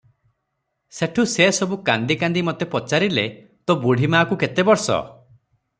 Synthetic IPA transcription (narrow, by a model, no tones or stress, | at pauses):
seʈʰusesɔbukand̪ikand̪imɔt̪epɔt͡ʃaɾilḛ | t̪obuɽ̤ʱimaːkuket̪ebɔɾsɔ̰